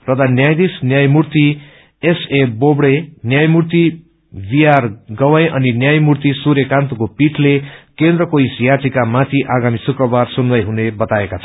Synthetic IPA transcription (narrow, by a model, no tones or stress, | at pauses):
rʌd̪anjajd̪isnjajmurt̪i | esebobɽenjajmurt̪i | bijarɡʌwʌjʔʌninjajmurt̪isuɾjekant̪ukopiʈʰlekend̪rʌkoisjat̪ikamat̪ʰiʔaɡamisukrʌbarsunwʌjɦunebʌt̪aekat͡sʰʌ